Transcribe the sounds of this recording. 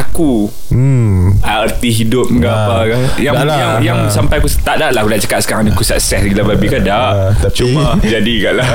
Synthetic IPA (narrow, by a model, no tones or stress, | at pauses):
aku | aərt̪iɦidʊp̚ŋɡapakaja | jaŋjaŋsampajakust̪adaʔlakudaʔt͡ʃə̥kat̪̚sə̥kaɾãŋnikusa̰ʔsɛhɡilababikadaʔ | t͡ʃuba | d͡ʒadiɡaʔlah